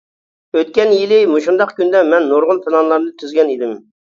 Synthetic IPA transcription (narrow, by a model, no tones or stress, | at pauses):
øt̪̚kʲɛnjilɪmuʃund̪ɑqkʲynd̪ɛmɛnːoɾʁʊlˠpʰelˠɑnlˠɑɾmd̪ɨt̪ʰyzɡʲɛnid̪ɪm